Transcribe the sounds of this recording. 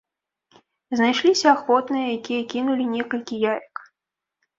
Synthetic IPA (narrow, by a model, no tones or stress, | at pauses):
znajʂlʲisʲɐaxvɔt̪nɨjɐjakʲijɐkʲinulʲinʲɛkɐlʲkʲijajɐk